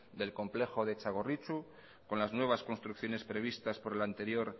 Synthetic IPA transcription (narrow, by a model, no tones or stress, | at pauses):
d̪e̞lko̞mple̞xo̞ðe̞t͡ʃaɣ̞o̞rit͡ʃu | ko̞nlaznwe̞β̞asko̞nst̪ɾukθjo̞ne̞spɾe̞β̞ist̪aspo̞ɾe̞lant̪e̞ɾjo̞ɾ